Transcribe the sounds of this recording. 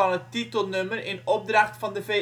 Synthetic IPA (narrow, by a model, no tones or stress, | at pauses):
ɑnət̪ʰːit̪əlnʉməɾeːnɔp̚d̪ɾɑkt̪fɑnd̪əfe